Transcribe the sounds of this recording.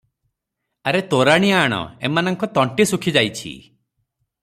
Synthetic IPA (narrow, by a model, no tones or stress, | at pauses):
aɾet̪oɾaɽ̃ijaːɽ̃ɔ̰ḛmanɔŋkɔt̪ɔɳʈisukʰid͡ʒajt͡ʃʰḭ